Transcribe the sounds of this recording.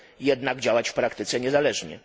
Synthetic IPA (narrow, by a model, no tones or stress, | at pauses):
jɛd̪naɡd͡ʑawat͡ɕfpɾakt̪ɘt̪sɛɲɛzalɛʐɲɛ̰